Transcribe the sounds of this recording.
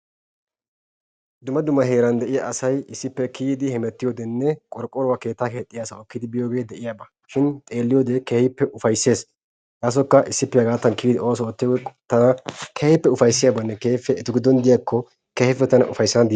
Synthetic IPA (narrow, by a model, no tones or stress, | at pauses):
d̪ʊmːɐd̪ʊmːɐɦe̞ːɾɐnd̪ɛʔɪjaʔɐsɐjɪsːɪpːɛkʰiːd̪ɪhɛmɛt̪ːɪjoːd̪ɛnːɛkʼɔɾkʼːɔɾɔwake̞ːt̪ːaːke̞ːt̪ʼːɪjaːsɐɔkːɪd̪ɪbɪjoːɡe̞ːd̪ɛʔɪjaːbɐ | ʃɪnt̪ʼe̞ːlːɪjoːd̪ekɛhɪpːɛʔʊfɐjsːe̞ːs | j̪aːs̬ɔkːɐʔɪsːɪpːɛjɐɡaːt̪ːɐnkiːd̪ɪʔo̞ːsɔɔt̪ːɪjoɡt̪ɐnɐkʰɛhɪpːɛʊfɐjsːɪjaːbɐnːɛkeːfɛːt̪ʊɡɪd̪ɔnd̪ɪjakːɔ | kɛhɪfːɛt̪ɐnɐ̰ʔʊfɐjsːɐnɐd̪ɪ